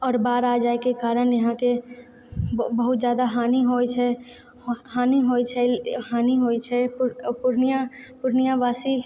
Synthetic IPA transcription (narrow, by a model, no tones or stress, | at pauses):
ɔːɾbaːɾad͡ʒaːekekaːɾənjɐɦãke | bəɦʊt̪zjaːd̪aɦaːniɦojt͡ʃʰɛ | haːniɦoːjt͡ʃʰɛhaːniɦoːjt͡ʃʰɛppʊɾnijapʊɾnijaʋaːsi